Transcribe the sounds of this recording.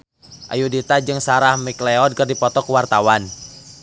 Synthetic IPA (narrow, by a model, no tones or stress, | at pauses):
ʔa̰judit̪ad͡ʒɨŋsaɾahmiklɛɔd̚kɨrdipɔt̪ɔkuwart̪awan